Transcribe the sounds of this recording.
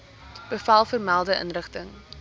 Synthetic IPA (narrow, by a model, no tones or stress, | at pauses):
b̥əfɐlˠfərmælˠdəʔə̰nrəχtəŋ